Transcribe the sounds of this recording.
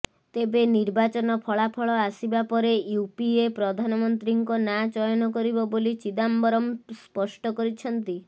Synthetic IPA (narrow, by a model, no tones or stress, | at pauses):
t̪ebeniɾbat͡ʃɔnɔpʰɔɭapʰɔɭɔasibapɔɾejupiepɾɔd̪ʱanɔmɔnt̪ɾiŋkɔnat͡ʃɔjɔnɔkɔɾibɔbolit͡ʃid̪ambɔɾɔmspɔsʈɔkɔɾit͡ʃʰɔnt̪i